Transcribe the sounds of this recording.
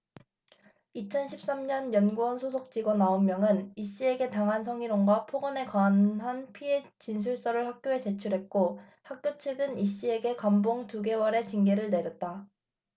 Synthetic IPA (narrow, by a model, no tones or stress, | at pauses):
it͡ɕʰʌnɕʰip̚s͈amɲʌnjʌnɡuʌnsʰosʰok̚t͡ɕ͈iɡonaomːjʌŋɯniɕ͈ie̞ɡe̞taŋɦansʰʌŋiɾoŋɡwapʰoɡʌne̞kwaːnɦanpʰie̞t͡ɕinsʰuɭs͈ʌɾɯɭhak̚k͈joe̞t͡ɕe̞t͡ɕʰuɾɦe̞t̚k͈o | hak̚k͈jot͡ɕʰɯɡɯniɕ͈ie̞ɡe̞kamboŋtuɡe̞wʌɾe̞t͡ɕiŋɡe̞ɾɯɭne̞ɾjʌt̚t͈a